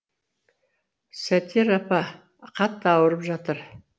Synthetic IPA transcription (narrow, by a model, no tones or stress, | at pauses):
sæt̪ʰeɾɑpɑ | qʰɑt̪ːəɑwəɾəpʒɑt̪əɾ